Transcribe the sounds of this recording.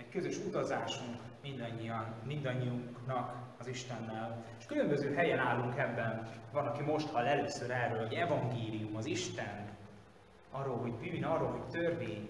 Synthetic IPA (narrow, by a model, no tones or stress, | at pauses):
ɛckøzø̞ʃut̪ɒzaːʃuŋk | mind̪ɒɲːijɒnmind̪ɒɲːiuŋknɒk | ɒziʃt̪ɛnːɛleʃkylø̞mbøzøːɦɛjɛnaːlːuŋkɛbːɛnvɒnɒkimo̞ʃt̪hɒlːɛløːsøɾɛrːøːlho̞ɟɛvɒŋɡeːlijumɒziʃt̪ɛn | ɒrːoːlɦo̞ɟbyːnɒrːolɦo̞ct̪ørveːɲ